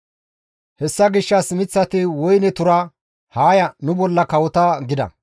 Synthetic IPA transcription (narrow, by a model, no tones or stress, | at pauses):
hɛsːɐɡɪʃːɐsɪmɪt͡sːɐt̪ɪwɔjnɛt̪ʊɾɐ | haːjɐnʊbɔlːɐkɐwɔt̪ɐɡɪd̪ɐ̰